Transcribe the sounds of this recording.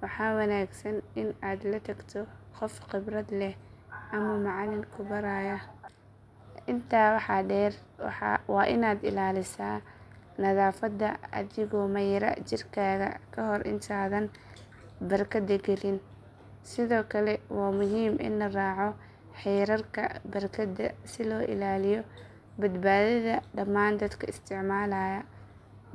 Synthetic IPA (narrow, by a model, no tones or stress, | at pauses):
wɑħɑːwɐnaːɡsɐnɪnaːd̪lɐt̪ʰɐɡt̪ʰɔqɔfqɪbrɐd̪lɛh | ɐmɐmɑʕɑlɪnkʰʊbɐɾaːjɐ | ʔɪnt̪ʰaːwɑħɑɖɛːr | wɑ̰ħɑ̰wɑːʔɪnaːd̪ɪ̰laːlɪsaːnɐðaːfɐd̪ːɐɐ̰ðɪɣɔmɐjɾɐ̰t͡ʃɪrkʰaːɣɐ̰kʰɐɦɔrʔɪ̰nt̪ʰaːðɐn | bɐrkʰɐd̪ɐɡɛlɪn | sɪðɔːkʰɐlɛwɑːmʊɦiːmɪ̰nlɐraːʕɔ | ħɛːɾɐrkʰɐ̰bɐrkʰɐd̪ɐsɪlɔːʔɪ̰laːlɪjɔ | bɐd̪baːðɐðɐɖɐmːaːnd̪ɐd̪kʰɐɪst̪ʰɪʕmaːlajɐ